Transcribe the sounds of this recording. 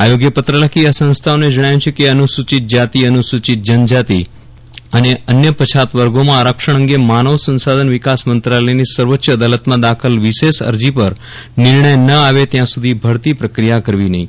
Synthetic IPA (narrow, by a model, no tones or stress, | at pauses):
ajoɡjəpət̪ɾəlakiasə̃nst̪ʰaoned͡ʒəɽ̃ajũt͡ʃʰekeənusut͡ʃit̪̚d͡ʒat̪iənusut͡ʃit̪̚d͡ʒənd͡ʒat̪i | əneənjəpət͡ʃʰat̪ʋəɾɡomãɾəkʃəɳ̃əŋɡemanəʋsə̃nsad̪ʱənʋɪkasmənt̪ɾaləjnisəɾʋətːʃəːd̪alət̪mãd̪akʰəlʋɪʃeʃə̰ɾd͡ʒipəɾ | nɪɾɳəjnəaʋet̪jãsud̪ʱibʱəɾt̪ipɾəkɾijakəɾʋinəɦĩ